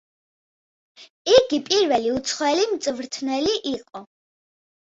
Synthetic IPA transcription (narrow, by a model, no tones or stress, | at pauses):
iɡipʼiɾvɛliut̪sʰχwɛlimt̪sʼvɾt̪ʰnɛliʔiqʼɔ